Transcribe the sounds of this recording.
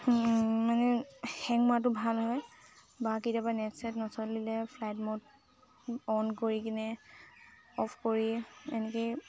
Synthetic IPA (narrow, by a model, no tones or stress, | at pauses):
manɛxɛŋmat̬ʊbʱalɦɔj | bakitiapanɛtsɛtnɔsɔtlilɛpʰlajtmɔt̚ | ɔnkoɹikinɛ | ɔpʰkoɹiɛnɛkej